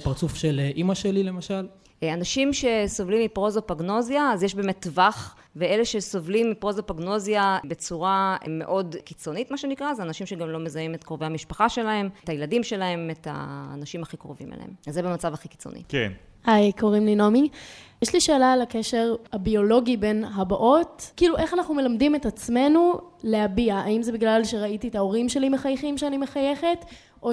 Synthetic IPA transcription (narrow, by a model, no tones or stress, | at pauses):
paʁt͡sufʃelʔimaʃelile̞maʃal | anaʃimʃe̞so̞vlimːipʁozopaɡno̞zjaːzjeʃbeːmetːvaχ | vee̞le̞ʃeso̞vlimːipʁozopaɡno̞zjabe̞t͡suʁame̞̰ʔo̞dkit͡so̞nitmaʃe̞nikʁazeanaʃimʃeɡamlo̞me̞zajime̞tkʁove̞hamiʃpaχaʃe̞lahe̞mtajeladimʃe̞lahe̞metha̰ːnaʃimaχikʁo̰vimḛlḛhḛmzebemat͡savaχiki̥t͡so̰nḭke | hajko̞ʁimlinomijeʃliʃe̞ːlalakeʃe̞ʁhabio̞lo̞ɡibe̞nɦabaʔo̞tkiːluʔe̞χanaχnume̞lamdimetat͡sme̞nule̞abiaːimzebiɡlalʃe̞ʁaitietao̞ʁimʃe̞limeχajχimʃeanime̞χaje̞χe̞t | ʔo